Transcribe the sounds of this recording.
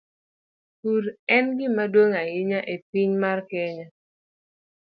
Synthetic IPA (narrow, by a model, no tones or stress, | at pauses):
kuɾɛnɡɪmadwoŋajɪɲaʔepiɲmarkɛɲa